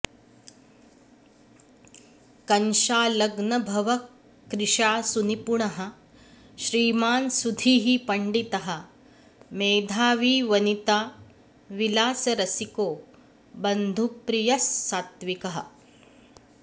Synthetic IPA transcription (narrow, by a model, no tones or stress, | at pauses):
kɐnʃaːlɐɡnɐbʱɐʋɐ | kɾɪʂaːsunipuɳɐɦɐ̆ | ʃɾiːmaːnsud̪ʱiːɦipɐɳɖit̪ɐɦɐ̆ | meːd̪ʱaːʋiːʋɐnit̪aː | ʋilaːsɐɾɐsikoː | bɐnd̪ʱupɾijɐsːaːt̪ʋikɐɦɐ̰